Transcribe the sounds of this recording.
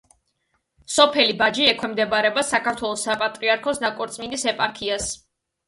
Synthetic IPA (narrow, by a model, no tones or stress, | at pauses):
sɔpʰɛlibad͡ʒiɛkʰwɛmd̪ɛbaɾɛbasakaɾt̪ʰwɛlˠɔsapʼat̪ʼɾiaɾkʰɔsnakʼɔɾt̪sʼmind̪isɛpʼaɾkʰias